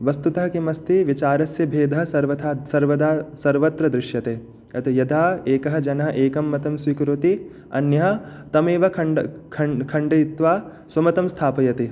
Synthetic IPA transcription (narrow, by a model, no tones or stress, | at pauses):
ʋɐst̪ut̪ɐɦɐkimɐst̪iʋit͡ʃaːɾɐsjɐbʱeːd̪ʱɐɦɐsɐɾʋɐt̪ʰaːsɐɾʋɐd̪aːsɐɾʋɐt̪ɾɐd̪ɾɪʃjɐt̪eː | ɐt̪ijɐd̪ʱaːeːkɐɦɐ̆d͡ʒɐnɐɦɐ̆ʔeːkɐmːɐt̪ɐmsʋikɾut̪i | ɐ̰njɐɦɐ̆t̪ɐmeːʋɐkʰɐɖkʰɐkʰɐɳɖɐt̪ʋaː | swɐmɐt̪ɐmst̪ʰaːpɐjɐt̪i